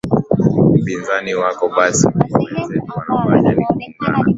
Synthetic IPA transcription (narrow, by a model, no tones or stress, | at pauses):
m̩pinzaniwakɔɓasiwɛnzɛtuwanafaɲanikuimba̰na̰